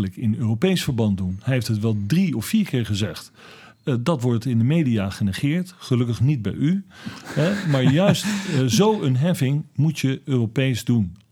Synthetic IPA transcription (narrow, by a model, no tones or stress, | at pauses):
ləkɪnøːropejsfəɹbɑntdunhɛjɦeftɦətʋɛlˠdriɔfːiːɹkɪːɹχəzɛχt | dɑtʋɔɹtɪndəmejdiaχənɛχɪːɹtχəlɵkəχnid̚bɛ̰jyɛmaːɹjœɥstzowənɦɛfɪŋmutjəøːropejzdun